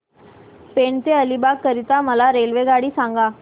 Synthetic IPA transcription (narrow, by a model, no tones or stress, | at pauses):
peɳt̪eəlibakəɾit̪aməlaɾelʋeɡaɽiːsãŋɡa